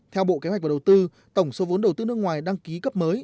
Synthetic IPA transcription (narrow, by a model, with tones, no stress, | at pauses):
t̪ʰɛ˧wɓo̰˧˨ke˨˦hwk̟̚a˨˩˨wt̪ɨ˧ | t̪ə˧˩wŋ͡mso˨˦vo˨˦nɗə˨˩wt̪ɨ˧nɨ˦˥ək̚ŋwaː˨˩jɗaː˧ŋki˨˦kə˦˥p̚məː˨˦j